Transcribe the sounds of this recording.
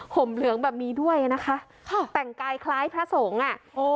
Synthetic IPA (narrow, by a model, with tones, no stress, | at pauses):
hʰo˨˩˦mlɯ˩˦əŋbɛː˨˩p̚niː˧˥du˥˩əjʔa˧˩na˦˥kʰa˦˥ʔʰ | t̪ɛ˨˩ŋkaː˧jkʰlaː˦˥jpʰɾa˦˥so˩˦ŋʔa˨˩˧